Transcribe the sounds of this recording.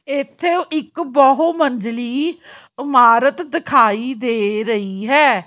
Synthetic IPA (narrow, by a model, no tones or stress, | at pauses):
ɪt̪ʰːeːoʔɪkbɔɦoːməɲd͡ʒliː | ɪmaːɾət̪d̪ɪkʰaːiːd̪eːɾəiːɦɛː